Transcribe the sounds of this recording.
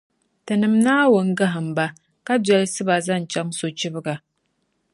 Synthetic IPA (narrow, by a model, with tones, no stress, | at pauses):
tɨ˨nɨ˨mnaː˦wʊ˨ŋ˦ɡa˦ɦa˨mba˦ | ka˦dɛ˦lsɨ˦ba˨zɐ˦nt͡ʃa˦ŋso˨t͡ʃɪ˦bɡa˨